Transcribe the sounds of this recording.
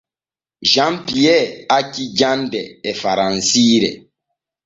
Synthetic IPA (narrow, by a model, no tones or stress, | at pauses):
ʒãmpiɛakid͡ʒãndɛɛfaɾãnsiːɾɛ̰